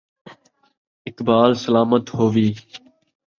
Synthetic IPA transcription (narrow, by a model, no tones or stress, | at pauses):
ɪkbaːlsəlaːmət̪ɦoːʋiː